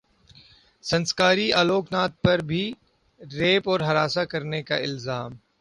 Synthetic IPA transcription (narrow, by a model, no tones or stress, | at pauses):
sɐ̃nskaːɾiaːloːknaːt̪̚pɐɾbʱi | ɾeːpɔːɾɦɐɾaːsakɐɾneka̰ɪlzaːm